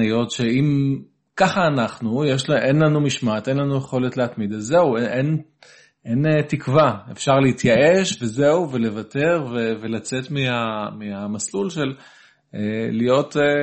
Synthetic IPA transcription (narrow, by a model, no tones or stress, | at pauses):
ijo̞tʃe̞im | kaχaːnaχnujeʃlʔenlanumiʃmatʔe̞nlanujeχo̞le̞tleatmid̪azeueʔen | ʔenetikvaefʃaʁleitjaʔe̞ʃve̞ze̞uve̞le̞vate̞ʁve̞velat͡se̞tmiamiamaslulʃe̞l | elijo̞te